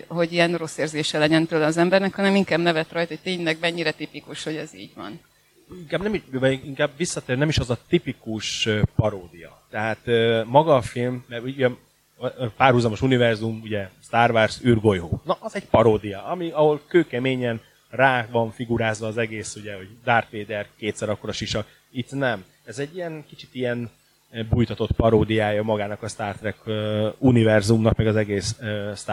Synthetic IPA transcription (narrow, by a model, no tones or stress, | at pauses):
ɦo̞ɟijɛnro̞sːeːrzeːʃɛlɛɟɛnt̪øːlɛɒzɛmbɛrnɛkhɒnɛmiŋkaːbnɛvɛt̪rɒjt̪oct̪eːɲlɛɡ̚mɛɲːiɾɛt̪ipikuʃho̞ɟɛzḭːɟʋɒ̰n | iŋkaːbnɛmiʃvɒiŋkaːbʋisːɒt̪eːɾnɛmiʃɒzɒt̪ipikuʃøpɒɾoːd̪ijɒ̰t̪ɛɦaːt̪ømɒɡɒːfilmːɛɾuuɛ | paːrhuzɒmo̞ʃunivɛrzumuɟɛst̪aːrvarsyrɡo̞jɦoːnɒʔːzɛɟpɒɾoːd̪ijɒʔɒmiɒho̞lkøːkɛmeːɲɛn | raːvɒɱfiɡuɾaːzʋɒːzɛɡeːsuɟɛho̞ɟd̪aːrt̪ʋeːd̪ɛrkeːt̪sɛɾɒkːoɾɒʃiʃɒk | it̪nɛm | ɛzɛɟːijɛnkit͡ʃi̥t̪ijɛn | bujt̪ɒt̪o̞t̪pɒɾoːd̪ijaːjɒmɒɡaːnɒkɒst̪aːrt̪ɾɛkunivɛrzumnɒkmɛɡɒzɛɡeːsøst̪ː